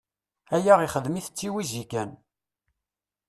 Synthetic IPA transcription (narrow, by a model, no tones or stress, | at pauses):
æjæʁiχəðmiθət͡sːiwizikæn